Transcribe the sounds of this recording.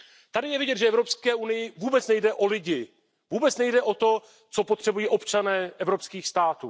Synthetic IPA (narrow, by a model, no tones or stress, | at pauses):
t̪adɪjɛvɪɟɛt̪ʒɛɛvɾo̞pskɛːʔunɪjɪvuːbɛt͡snɛjdɛʔo̞lɪɟɪ | vuːbɛt͡snɛjdɛʔo̞t̪o̞ | t͡so̞pot̪r̥ɛbujiːʔo̞pt͡ʃanɛːʔɛvɾo̞pskiːxst̪aːt̪ṵː